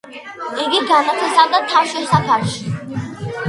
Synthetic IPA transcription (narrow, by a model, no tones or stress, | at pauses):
iɡiɡanapʰɛsamd̪at̪ʰaʃɛsak̪ʰaɾʃi